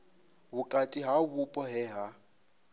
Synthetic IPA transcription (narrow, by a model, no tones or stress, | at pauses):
bukʼatʼiɦaβupʼɔɦɛɦa